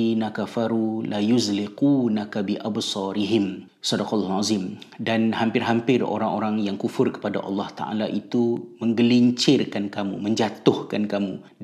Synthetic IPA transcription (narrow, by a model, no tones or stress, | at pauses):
inakafaɾulajuzliqunakabiʔabsɑɾiɦɪm | sɔdaqːlːhazɪm | danhampɪrɦampɪro̰ɾaŋoɾaŋjaŋkufʊrkə̥pada̰ʔɑ̰lːɑht̪a̰ʔa̰laʔit̪uməŋɡəliɲt͡ʃɪrkankamṵmə̃ɲd͡ʒat̪ʊhkankamṵ